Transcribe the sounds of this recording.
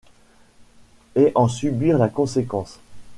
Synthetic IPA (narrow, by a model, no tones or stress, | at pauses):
eʔɑ̃sybiʁlakɔ̃sekɑ̃s